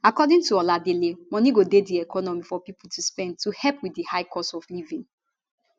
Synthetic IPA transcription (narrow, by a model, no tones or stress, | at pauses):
akɔdĩŋtuɔladelemɔ̃niɡodediɛkʰɔnɔmifɔpipultʰuspɛ̃nd̚tuhɛpwidihaɪkʰɔstɔflivĩn